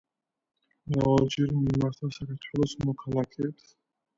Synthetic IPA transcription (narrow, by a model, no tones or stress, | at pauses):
ɾavalˠd͡ʒɛɾmimaɾt̪ʰasakʰaɾt̪ʰwɛlˠɔsmɔkʰalˠakʰɛːps